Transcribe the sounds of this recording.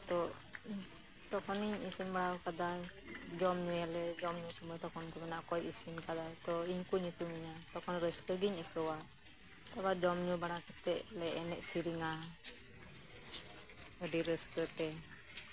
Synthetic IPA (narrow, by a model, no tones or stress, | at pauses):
t̪ɔ | t̪ɔkʰɔniɲisimbaɽawkad̪ad͡ʒɔmɲujalɛd͡ʒɔmɲut͡ʃimət̪ɔkʰɔnkɔbɛnaʔkɔjisimkad̪at̪ɔiɲkuɲikumiɲat̪ɔkʰɔnɾəskəɡiɲəkəwa | t̪ɛbad͡ʒɔmɲubaɽ̃akət̪ɛʔlɛʔɛnɛʔsiɾiŋa | əɖiɾəskət̪ɛ